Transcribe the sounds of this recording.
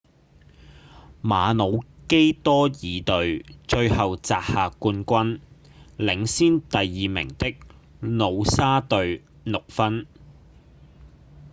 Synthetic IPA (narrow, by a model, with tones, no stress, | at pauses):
maː˨˧no˨˧wke˥jt̪ɔː˥jiː˨˧t̪ɵ˨ɥt͡ʃɵ˧ɥhɐ˨wt͡saː˨k̚haː˨kuː˧nkʷɐ˥n | lɪ˨˥ŋsiː˥nt̪ɐ˨jːiː˨mɪ̰˨˩ŋt̪ɪ˥k̚ | no˨˧wsaː˥t̪ɵ˨˧ɥ | nʊ˨k̚fɐ˥n